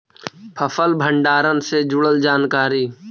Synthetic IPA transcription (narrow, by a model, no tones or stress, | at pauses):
pʰəpʰəlbʱə̃ɳɖaːɾənsed͡ʒʊɽəld͡ʒaːnkaːɾiː